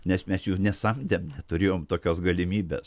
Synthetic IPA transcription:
nʲɛsmʲɛsjuːnʲɛsɐmʲd̪ʲɛmnʲɛt̪ʊɾʲeːjoːmt̪oːkʲosɡɐlʲɪmʲiːbʲɛ̰s

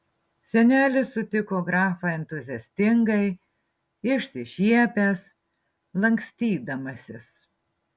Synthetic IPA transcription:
sʲɛnʲæːlʲɪsʊt̪ʲɪkoːɡɾɑːfɑɛnʲt̪ʊzʲɪɛsʲt̪ʲɪŋɡɐɪ | ɪʃʲsʲɪʃʲiɛpʲæs | lˠɐŋʲksʲt̪ʲiːd̪ɐmɐsʲɪs

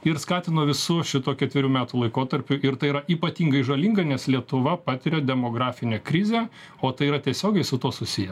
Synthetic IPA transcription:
ɪɾskɑːt̪ʲɪnoːʋʲɪsʊʃʲɪt̪uːkʲɛt̪ʲʋʲɪɾʲuːmʲæːt̪uːlˠɐɪkoːt̪ɐɾʲpʲʊʔɪɾt̪ɐɪiːɾɐʔiːpɐt̪ʲiːŋɡɐɪʒɐlʲiːŋɡɐnʲɛslʲiɛt̪ʊʋɐpɑːt̪ʲɪɾʲɛd̪ʲɛmoːɡɾɑːfʲɪnʲeːkɾʲɪzʲeː | oːt̪ɐɪiːɾɐt̪ʲiɛsʲoːɡʲɛɪsʊt̪uɔsʊsʲɪjɛ

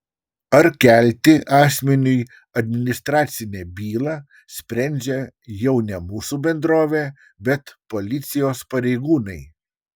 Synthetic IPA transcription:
ɐɾkʲælʲt̪ʲɪʔɑːsʲmʲɛnʲʊj | ɐd̪ʲmʲɪnʲɪst̪ɾɑːt̪sʲɪnʲɛbʲiːlˠɑː | sʲpʲɾʲɛˑnʲd͡ʒʲɛjɛʊnʲɛmuːsuːbʲɛnd̪ɾoːʋʲe | bʲɛt̪poːlʲɪt̪sʲɪjoːspɐɾʲɛɪɡuːnɐɪ

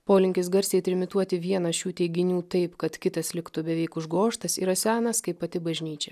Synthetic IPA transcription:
poːlʲɪŋʲkʲɪsɡɐɾʲsʲɛɪt̪ʲɾʲɪmʲɪt̪uɔt̪ʲɪʋʲiɛnɐʃʲuːt̪ʲɛɪɡʲɪnʲuːt̪ɐɪpkɐt̪kʲɪt̪ɐslʲɪkt̪ʊbʲɛʋʲɛɪkʊʒɡoːʃt̪ɐsḭɾɐsʲæːnɐskɐɪpɐt̪ʲɪbɐʒʲnʲiːt͡ʃʲɛ

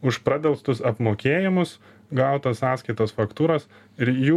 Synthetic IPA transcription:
ʊʃpɾɑːd̪ʲɛlˠst̪ʊsɐpmoːkʲeːjɪmʊs | ɡɐʊt̪ɐsɑːsʲkɐɪt̪oːsfɐkt̪uːɾɐs | ɪɾjuː

